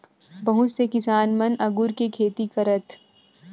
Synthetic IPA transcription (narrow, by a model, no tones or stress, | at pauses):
bɐɦʊt͡ʃsekɪsaːnmɐnɐɡʊɾkekʰeːt̪ikɐɾət̪